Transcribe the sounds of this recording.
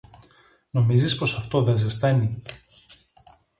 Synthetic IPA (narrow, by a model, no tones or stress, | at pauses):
no̞mizispo̞sɐft̪o̞ðezesθeni